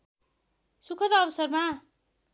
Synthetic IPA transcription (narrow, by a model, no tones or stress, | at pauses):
sukʰʌt̪ʌbʌsʌrma